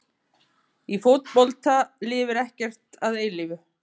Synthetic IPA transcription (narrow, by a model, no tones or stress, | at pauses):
ifowt̪pɔlt̪alɪːvʏɾɛhcɛr̥t̪aðeːjlɪvʏ